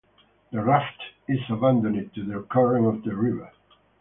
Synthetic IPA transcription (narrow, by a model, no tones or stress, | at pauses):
ðəɹaftɪzəbæ̃ndɨ̃nɪd̚tɨðəəkʰɜɹɪ̃ŋʌvðəɹɪvə˞